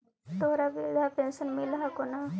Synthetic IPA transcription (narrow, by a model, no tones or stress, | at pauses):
t̪oːɾabeɡapẽnsənmɪlɦakona